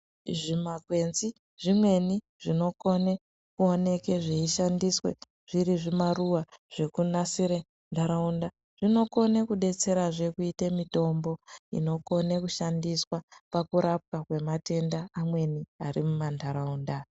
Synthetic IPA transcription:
ʐimakwe̞nzi | ʐ̥imwe̞ni | ʐ̥ino̞ko̞ne | kuo̞ne̞ke̞ʐeiʃandiswḛ | ʐ̥iɾiʐimaruwaʐ̥e̞kunasiɾe | ndaɾaunda | ʐ̥ino̞ko̞nekuɗe̞t͡se̞ɾaʐe̞kuitemito̞mbo̞ḭno̞ko̞nekuʃandiswapakuɾap̚kakwe̞mate̞ndaamwe̞niaɾimumandaɾauːnda

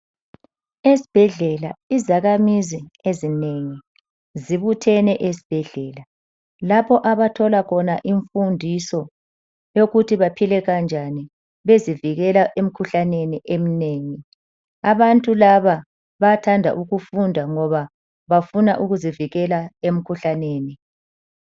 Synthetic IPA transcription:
esi̥b̥ʱɛɮɛlaizaɣamiziezineŋi | ziβutʰɛnɛʔesi̥b̥ʱɛɮɛːla | lapʰɔʔaβatʰɔlakʰɔnaʔiɱfundʱisɔ | joɣutʰiβapʰilɛɣand͡ʒʱani | βeziviɣɛlaʔem̩kʰuɬaneniʔem̩neːŋi | aβantʼulaβa | βatʰandʱa̰ʔuɣufundʱaŋɔβa | βafunaʔuɣuziviɣɛlaem̩kʰuɬaneːni

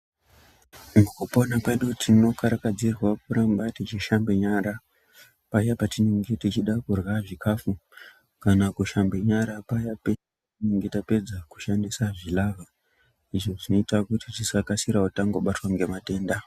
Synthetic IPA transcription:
ŋokuponakweɗotʰino̞kaɾakad͡zirwak̚uɾambatit͡ʃiʃambeɲaɾa | pajapatineŋɡe̞tit͡ʃiɗakurwaʐikʰaːfu | kanakuʃambe̞ɲaɾapajape | ineŋɡe̞tape̞d͡zaku̥ʃandisaʐilaʋa | iʐo̞ʐino̞itakutitisakasiɾautaŋɡo̞ɓatwaŋɡe̞mate̞ːnda

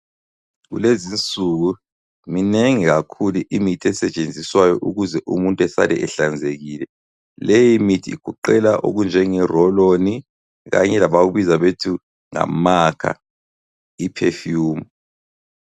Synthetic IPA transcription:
ɣṵlezint͡sʼuɣu | mineŋiɣakʰuluʔimitʰiɛsɛt͡ʃʼend͡zʱiswajɔʔuɣuzɛʔumuntʼɛsa̰lɛ̰ʔɛɬand͡zʱeɣiːlɛ | lɛjimitʰḭːɡ̥ʱuǃɛlaʔo̰ɣund͡ʒʱɛŋɛrɔloni | ɣa̰ɲɛlaɓaɣuβizaɓetʰu | ŋa̰makʰa̰ | ipʰɛfjuːmu

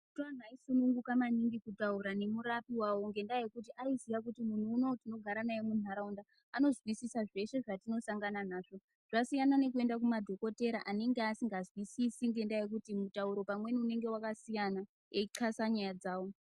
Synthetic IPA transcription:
tan̤aisunuŋɡukamaniŋɡikutauɾane̞muɾapiwawo̞ŋɡe̞ndaje̞kut̬iʔaizijak̬utimun̤uːno̞tino̞ɡʱaɾanajemunaɾaundaː | no̞zwisisaʐe̞ʃe̞ʐatino̞saŋɡananaːʐ̥o̞ | ʐ̥asijanane̞k̬ue̞ndak̬umadʱo̞ko̞te̞ɾaʔaneŋɡeasiŋɡazwisisiŋɡe̞ndajek̬utimutauɾo̞pamwe̞niune̞ŋɡe̞wakasijana | eiǁʰasaɲajad͡zaːwo̞

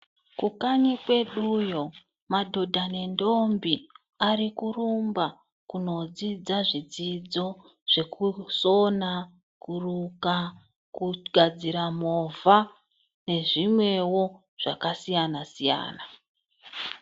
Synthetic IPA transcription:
kukaɲikwe̞ɗujo̞ | madʱo̞dʱanendo̞mbi | aɾikurumba | kuno̞d͡zid͡zaʐid͡zid͡zo̞ | ʐ̥e̞kuso̞na | kuruka | kuɡʱad͡ziɾamova | ne̞ʐimwe̞wo̞ | ʐ̥akasijanasija̰ːna

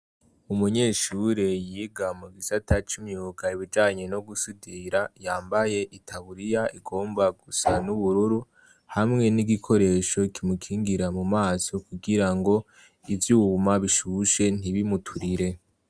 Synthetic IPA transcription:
umuɲe̞ːʃuɾejiːɡamuɡisatʰat͡ʃimɲuːɡaiβid͡ʒaːɲe̞no̞ɡusidiɾajaːmbaje̞ʔitʰaβuɾijaiɡo̞ːmbaɡusanuβuɾuɾu | hamŋe̞niɡikʰo̞ɾe̞ːʃo̞kimukʰiːŋɡiɾamumaːso̞kuɡiɾaŋɡo̞ | ivjuːmaβiʃuʃe̞n̥iβimutʰuɾiɾe̞

